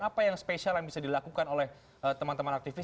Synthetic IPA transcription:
apajaŋspesalanbisadilakukanolɛh | ət̪əmant̪əmanak̚t̪ifi

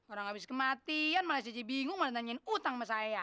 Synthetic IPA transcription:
oɾaŋabɪskəmat̪ianmalajs̬iad͡ʒibiŋʊŋmaant̪aɲɛnut̪aŋmasaja

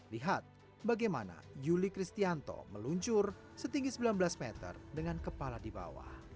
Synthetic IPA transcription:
liɦat̪̚ | baɡajmana̰d͡ʒulikɾist̪iant̪ɔ̰məluɲt͡ʃʊr | sət̪iŋɡisəbilanbəlasmɛt̪ə̰rdəŋankəpaladiba̰wa̰h

